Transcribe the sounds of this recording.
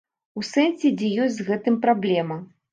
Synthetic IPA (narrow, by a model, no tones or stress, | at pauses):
usɛnsʲɛd͡zʲɛjɔsʲzɣɛt̪ɨmpɾablʲɛmɐ